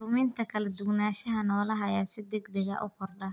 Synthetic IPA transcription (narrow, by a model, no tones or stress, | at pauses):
umint̪ʰɐkʰɐlɐd̪ʊɡnaːʃɐɦɐnɔːlɐɦɐjasɪd̪ɛɡd̪ɛɣɐ̰ʔʊ̰kʰɔrɖɐ